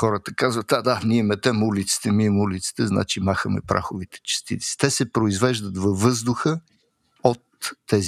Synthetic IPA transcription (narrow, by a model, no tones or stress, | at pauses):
xɔɾət̪əkazvət̪ad̪aniɛmɛt̪ɛmulit̪si̥t̪ɛniɛmulit̪si̥t̪ɛzna̰t͡ʃimaxəmɛ̰pɾʔa̰xovit̪ɛ̥t͡ʃɛ̥st̪ḭt̪si̥t̪ɛsɛpɾoizvɛʒd̪ət̪vɐvːɤzd̪ʊxə | ot̪ːɛz